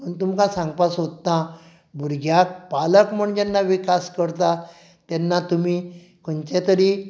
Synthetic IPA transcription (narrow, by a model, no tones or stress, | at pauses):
məɳt̪umkãsãŋɡpasɦot̪t̪ã | bʱuɾɡʱjak̚paləkm̤əɳd͡ʑanːaʋikaskəɾt̪a | t̪jɛnːat̪umiː | kəɳt͡ɕet̪əɾiː